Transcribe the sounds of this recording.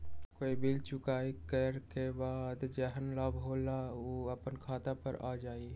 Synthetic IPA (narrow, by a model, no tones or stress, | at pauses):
koːibɪlt͡ʃʊkaːikəɾkebaːd̪d͡ʒɛɦənləbɦoːlaoəpənkʰaːt̪apə̰ɾa̰ːd͡ʒaːi